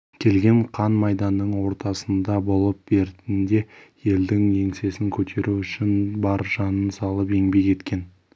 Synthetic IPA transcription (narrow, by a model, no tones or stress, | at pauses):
kʲʰe̞lɡʲe̞ɴqʰɑnmɑjd̪ɑnːəɴwo̞ɾt̪ɑsənd̪ɑbo̞lˠəp̚be̞ɾt̪ɪnd̪e̞je̞ld̪ɪŋe̞ŋse̞sɪŋkʲʰɵt̪ʰe̞ɾʔuʏʃɪnbɑɾʒ̥ɑnənsɑlˠəpe̞ŋbe̞kʲe̞t̪kʲe̞n